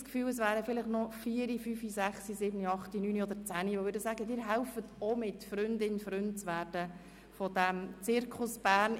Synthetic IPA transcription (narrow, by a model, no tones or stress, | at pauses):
skfyːləsvʋæːɾəfɪlɪχnɔfiːəɾifyːfizæχsizɪːbniɑχtinyːniɔd̪əɾt͡sæːniʋovʏɾdəsæːɡədɪːɾɦɛʊfətomɪtfɾʏndɪnfɾʏnt̚t͡sʋæːrd̥ə | fɔdæmt͡sɪɾkʰχʊsb̥æːrn